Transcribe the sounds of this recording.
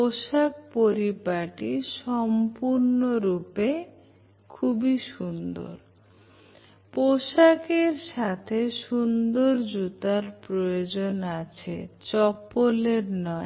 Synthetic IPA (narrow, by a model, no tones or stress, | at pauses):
poʃak̚poɾipaʈiʃɔmpuɾnoɾupe | kʰubiʃund̪o̰ɾ | poʃakeɾʃat̪ʰeʃund̪oɾd͡ʑut̪aɾpɾojod͡ʑonat͡ɕʰḛt͡ɕɔpːoleɾnɔe